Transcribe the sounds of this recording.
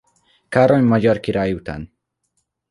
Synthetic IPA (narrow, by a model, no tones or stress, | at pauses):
kaɾɔnʲmad͡ʒɔɾkiɾajut̪ʰa̰n